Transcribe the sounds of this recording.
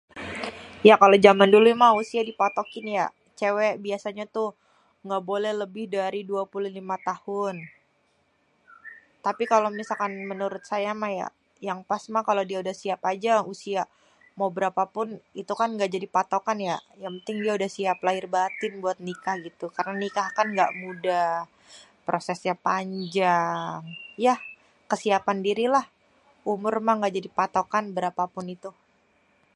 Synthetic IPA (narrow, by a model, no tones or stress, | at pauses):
jakalod͡ʒamandulumahusiadipat̪okɪnja | t͡ʃewɛbiasaɲat̪ʊ | ŋɡabolɛhləbɪhdaɾiduapuluhlimat̪ahʊn | t̪apikalomisalkanmənuɾʊt̪̚sajamahja̰ | jaŋpasmahkalodiaudahsiapad͡ʒausia | mawbəɾapapʊnit̪ukanŋɡaʔd͡ʒadipat̪okanjajaŋpənt̪ɪŋdiaudahsiaplaɪrbat̪ɪnbuat̪̚nikahɡit̪ukaɾənanikahkanŋɡaʔmuda | pɾosɛsɲapaɲd͡ʒaŋja | kəsiapandiɾilah | umʊrmaŋɡaʔd͡ʒadipat̪okanbəɾapapʊnit̪u